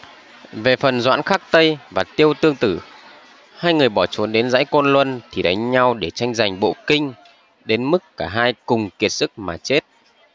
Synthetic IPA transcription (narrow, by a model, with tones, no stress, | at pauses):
ve˨˩fə˨˩nzwa̰ː˧˥nxaː˦˥k̚t̪ə˧jvaː˨˩t̪i˧əwt̪ɨ˧əŋt̪ɨ˧˩ | haː˧jŋɨ˨˩əjɓɔ˧˩t͡ɕu˨˦nɗe˨˦nza̰ː˧˥jkɔ˧nlwə˧nt̪ʰi˨˩ɗa˨˦ŋ̟ɲa˧wɗe˧˩t͡ɕa˧jŋ̟za˨˩jŋ̟ɓo̰˧˨kï˧ŋ̟ | ɗe˨˦nmɨ˦˥kːaː˧˩ɦaː˧jkʊ˨˩ŋ͡mki˨˩ət̚sɨ˦˥k̚maː˨˩t͡ɕe˦˥t̚